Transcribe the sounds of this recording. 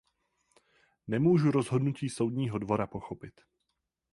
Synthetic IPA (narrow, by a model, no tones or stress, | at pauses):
nɛmuːʒuɾo̞zɦo̞dnuciːso̞wdɲiːɦo̞dvo̞ɾapo̞xo̞pɪt̪